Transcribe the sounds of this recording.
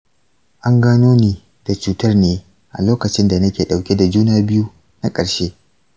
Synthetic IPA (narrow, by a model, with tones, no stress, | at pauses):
ʔa˦ŋɡaː˦noː˦niː˨ | d̥a˨t͡ʃuː˦tɐ˦rneː˦ | ʔa̰˨loː˦kɐ˨t͡ʃɪ˦nda˨nɐ˦kʲeː˨ɗa˨wkʲe˦da˨d͡ʒuː˦naː˦˨bɪ˦ju˦ | na˦kʼɐ˨ɽʃeː˦